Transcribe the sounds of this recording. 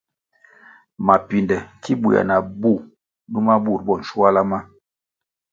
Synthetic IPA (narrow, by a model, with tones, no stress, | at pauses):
ma˨pi˨ndɛ˨ki˦bu˨ja̰˨na˨bu˦˨ | nu˦ma˦bu˦˨ɾ̚bɔ˦˨n̩˨ʃu˦a˦la˦ma˦